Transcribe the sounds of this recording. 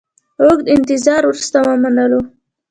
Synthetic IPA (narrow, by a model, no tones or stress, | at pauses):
oɡd̪ɪnt̪ɪzɑɾwuɾust̪awamanəlo